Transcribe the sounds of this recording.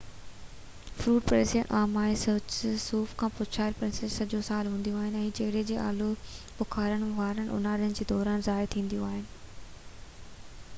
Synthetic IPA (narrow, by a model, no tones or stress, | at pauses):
fɾuːʈpɾesiə̰nʔaːmaːesoːt͡ɕsuːfkʰãːpʊt͡ɕʰaːɾpɾẽnsesɐd͡ʑosaːlɦũːn̆d̪ijũaːɦɪnɛ̃ːd͡ʑeɽed͡ʑeːʔa̰ːlo | pʊkʰaːɾəɽ̃ʋaːɾəñʔʊ̰naːɾijənɪ̆d͡ʑeːd̪ɔːɾaːnzaːɪɾt̪ʰĩːnd̪ijũaːɦɪnɪ̆